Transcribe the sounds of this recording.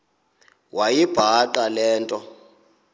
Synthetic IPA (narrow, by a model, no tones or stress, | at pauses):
wajib̥ʱaǃalɛːntʼɔ